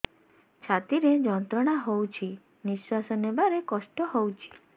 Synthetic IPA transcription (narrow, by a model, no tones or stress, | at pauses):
t͡ʃʰat̪iɾed͡ʒɔnt̪ɾɔɽ̃aɦowt͡ʃʰi | niswasɔnebaɾekɔsʈɔhowt͡ʃʰi̥